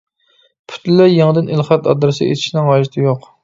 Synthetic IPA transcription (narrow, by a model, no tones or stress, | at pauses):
pʰy̥t̪ʰllæjeŋəd̪ɪnʔilˠχɑt̪ɑ̰d̪ɾɨsɨ̰ḛt̪ʰɪʃnɪŋwɑʒit̪ʰɪjoq